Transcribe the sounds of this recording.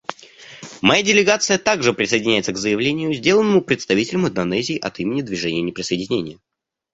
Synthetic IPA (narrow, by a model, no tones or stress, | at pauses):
mɐjadʲɪlʲɪɡat̪sɨjət̪aɡʐɨpɾʲɪsəjdʲɪnʲæjɪt̪səɡzəjɪvlʲenʲɪjʊzʲdʲe̞lˠənːəmʊpɾʲɪt̪st̪ɐvʲitʲɪlʲʊmɪnd̪ɐnɛzʲɪːʔɐt̪imʲɪnʲɪd̪vʲɪʐɛnʲɪjənʲɪpɾʲɪsəɪdʲɪnʲenʲɪjə